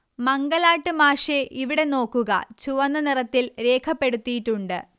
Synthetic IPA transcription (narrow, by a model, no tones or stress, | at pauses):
mɐŋɡɐlaːʈːɨmaːʂeʔiʋiɽe̞no̞ːkːuɣɐ̰t͡ɕuʋɐnːɐnirɐt̪ːilɾe̞ːkʰɐpːe̞ɽut̪ːijiʈːuɳɖɨ